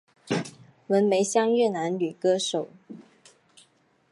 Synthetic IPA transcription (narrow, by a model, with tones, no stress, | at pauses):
wə˧˥nme˧˥ɪɕjɑ˥ŋɥɛ˥˩na˧˥nly˨˩kɤ˥ʂo˨˩˦ʊ